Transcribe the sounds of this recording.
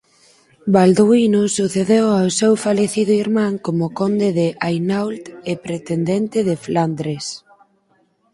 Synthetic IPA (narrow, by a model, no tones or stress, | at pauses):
bald̪uinusuθeðewawsewfaleθiðʊiɾmãŋkomʊkond̪eðɪʔajnawlt̪epɾet̪end̪ent̪ɪðɪfland̪ɾes